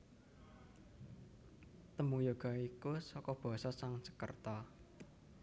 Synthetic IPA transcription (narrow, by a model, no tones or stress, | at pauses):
t̪əmujoɡ̥a̤ikusɔkɔb̥a̤sɔsaŋt͡ʃə̥kə̰rt̪a